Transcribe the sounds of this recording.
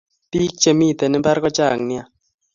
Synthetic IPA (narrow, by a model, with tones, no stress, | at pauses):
ti˦k̚t͡ʃe˨mi˦˨t̪e˨nɪ˦ba˦ɾkɔ˦t͡ʃa˦˨ŋnɪ˦a˦